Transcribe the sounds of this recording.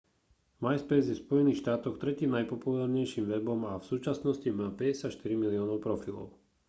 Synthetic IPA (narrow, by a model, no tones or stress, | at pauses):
majspɛzjɛfspɔjɛniːxʃt̪aːt̪ɔxt̪ɾɛciːmnajpɔpulaːɾɲɛjʃiːmʋɛbɔmafsuːt͡ʃasnɔscimaːpɛɟɛsacʃt̪iɾimiliɔːnɔʊpɾɔfilɔ̰ʊ